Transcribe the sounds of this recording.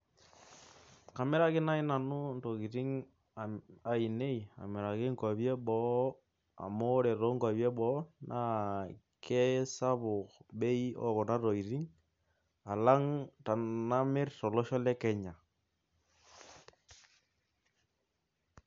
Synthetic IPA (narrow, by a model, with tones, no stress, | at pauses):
ka˨mɪ˦ɾa˦kɪ˦na˦ɪ˦na˨nʊ˦n˨to˨ɣi˨ɾi˦ŋ | a˨i˨ne˦i˨a̰˨mɪ˨ɾa˨kɪ˦ŋkɔ˨bje˦ɓɔ˨˦ | a̰˨mo˦ɾe˨ɾo˨˦ŋkɔ˨bjɛ˦bɔ˨˦nʔa˦ | kʰe˦sa˦βʊ˨kbe˦i˦ɔ̰˦kɔ˨na˦to˨ɣi˨ɾi˦ŋ | a˨la˦ŋta˨na˦mɪ˦rtɔ˨lo˦ʃɔ˦lɛ˦kɛ˦ɲa˨